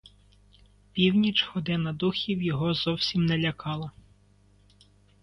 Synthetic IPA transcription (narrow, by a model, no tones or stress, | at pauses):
pʲiwnʲit͡ʃhɔd̪ɪnɐd̪uxʲiwjɔɦɔzɔwsʲimnɛlʲɐkɑlˠɐ